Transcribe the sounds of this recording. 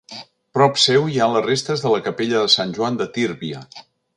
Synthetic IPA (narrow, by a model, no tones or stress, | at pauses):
pɾɔpsɛwialərest̪əzðələkəpeʎəðəsanʲʒuand̪ət̪iɾβiə